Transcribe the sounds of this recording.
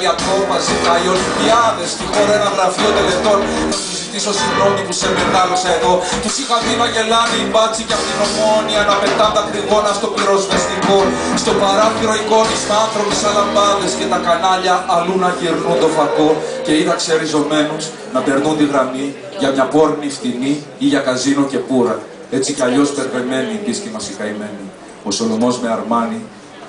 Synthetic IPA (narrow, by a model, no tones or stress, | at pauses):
iɐpovɐzikɐioliviɐðe̞st̪ixo̞ɾɐenɐðɾɐfiot̪ele̞t̪o̞nnɐsuzit̪iso̞sidɾo̞nipuseminɐlosɐeðo̞cesixɐtinɐʝe̞lɐneibɐt͡siceɐpot̪ino̞mo̞niɐnɐpe̞t̪ɐnd̪ɐkɾiɣo̞nɐst̪o̞piɾo̞zmest̪iboɾ | st̪o̞pɐɾɐfiɾo̞iko̞nist̪oɐnθɾo̞pisɐlɐmbɐðe̞sce̞t̪ɐkɐnɐʎɐʔːlunɐʝiɾnund̪o̞fɐkoce̞iðɐkseɾizo̞me̞nus | nɐpe̞ɾnunt̪iɣɾɐmi | ʝɐmɲɐpo̞ɾniftini | iʝɐkɐzinoce̞puɾɐ | e̞t͡siceɐʎo̞spe̞ɾpeme̞niːpiscimɐsikɐime̞ni | o̞so̞no̞mo̞zme̞ɐɾmɐni